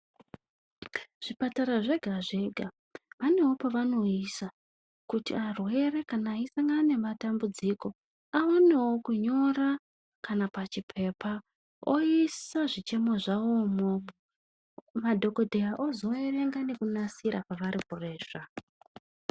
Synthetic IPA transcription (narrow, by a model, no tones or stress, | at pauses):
ʐ̥ipataɾaʐe̞ɡʱaʐe̞ɡʱa | ʋane̞wo̞paʋano̞isa | kutḭarwe̞re̞kanaːisaŋɡane̞matambud͡ziko̞ | aone̞wo̞kuɲo̞ra | kanapat͡ʃipʰe̞pʰa | oisaʐit͡ʃe̞mo̞ʐaomo | madʱo̞ko̞dʱejaʔozo̞ere̞ŋɡane̞kunasiɾapaʋaɾipore̞ːʐ̥a